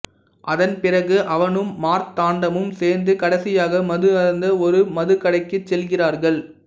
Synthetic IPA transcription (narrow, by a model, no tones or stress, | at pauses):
ʔɐðɐnpɪrɐɣɯʔɐʋɐnɯmːaːɾt̪aːɳɖɐmɯmseːɾnd̪ɯkɐɽɐsɪjaːɣɐmɐðɯɐɾnd̪ɐɔɾɯmɐðɯkɐɽɐɪkːɯt͡ʃːɛlɣɪraːɾɣɐɭ